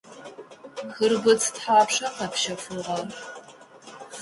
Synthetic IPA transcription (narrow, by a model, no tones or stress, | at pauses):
xɨrbɨt͡sʰtħaːpʂɐqɐpʃɐfuʁɐr